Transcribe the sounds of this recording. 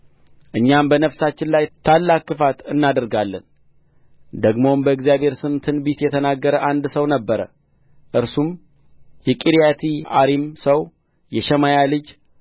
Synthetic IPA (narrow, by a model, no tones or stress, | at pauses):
ʔɨɲːambənəfsat͡ʃːɪnlajt̪ʰalːakːɨfat̪ɨnːad̪əɾɡalːən | d̪əɡmo̞mbəɨɡzijaβhe̞ɾsɨmt̪ʰɨnbit̪jɛt̪ʰənaɡːəɾəʔand̪səwnəbːəɾə̰ | ʔɨɾsum | jɛkʼiɾjat̪ʰia̰ɾimsəw | jɛʃɛmajalɨd͡ʒ